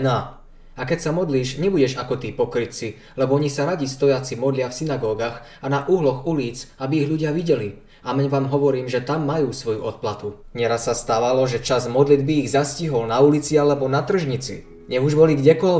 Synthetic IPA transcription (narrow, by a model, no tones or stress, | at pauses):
na | akɛcsamɔd̪liːʒɲɛbuɟɛʒakɔt̪iːpɔkɾit͡si | lɛbɔɔɲisaɾaɟist̪ɔjat͡simɔd̪lɪafsinaɡɔːɡaːɣ | anaʔuɦlɔɣuliːt͡sabiːɣʎuɟɪaʋiɟɛli | amɛɲʋaːmɦɔʋɔɾiːmʒɛt̪amːajuːsʋɔjuʔɔt̪̚plat̪u | ɲɛɾasːast̪aːʋalɔʒɛt͡ʃazmɔd̪lid̪biːɣzasciɦɔlnaulit͡sialɛbɔnat̪r̩ʒɲit͡sḭ | ɲɛɣuʒbɔliɡɟɛkɔl